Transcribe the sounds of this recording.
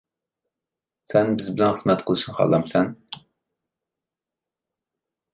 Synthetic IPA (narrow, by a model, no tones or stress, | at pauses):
sɛnbɪzbɪlɛnχəzmɛt̪qʰəlˠɨʃnχɑ̰lˠːɑmsɛn